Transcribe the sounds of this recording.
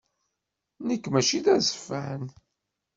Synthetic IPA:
nəkːmæʃiðæzə̥fːæn

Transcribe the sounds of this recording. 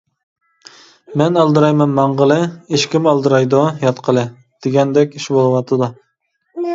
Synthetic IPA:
mɛnɑlˠd̪ɨɾɑjmɛnmɑɴʁəlˠɨeʃkʲimɑlˠd̪ɨɾɑjd̪ujɑt̪qʰəlˠɨ | d̪̥eɡʲɛnd̪ɛkʲiʃbolˠɨwɑt̪ʰɨd̪u

